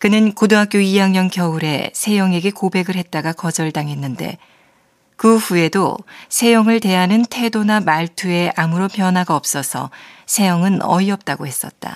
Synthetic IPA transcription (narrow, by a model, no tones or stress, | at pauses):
kɯnɯnkodoɦak͈̚joijaŋɲʌŋkjʌuɾe̞̰sʰe̞jʌŋe̞ɡe̞kobe̞ɡɯɭɦe̞t̚t͈aɡakʌd͡ʑʌɭdaŋɦe̞nːɯnde̞̰ | kɯɸue̞do̰sʰe̞jʌŋɯɭte̞ɦanɯntʰe̞donamaɭtʰue̞ʔamuɾopjʌnɦwaɡaʌp̚s͈ʌsʰʌ̰sʰe̞jʌŋɯnʌ̰iʌp̚t͈aɡohe̞s͈ʌt̚t͈a̰